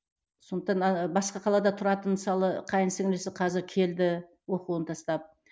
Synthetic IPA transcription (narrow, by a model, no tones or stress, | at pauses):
so̞nd̪əq̚t̪ɑnɑbɑsqɑqʰɑlˠɑd̪ɑt̪ʰʊɾɑt̪ənməsɑlˠəqʰɑjənseŋlesɪqʰɑzɪɾkʲʰe̞ld̪ɪ | wo̞quənt̪ʰɑst̪ɑp̚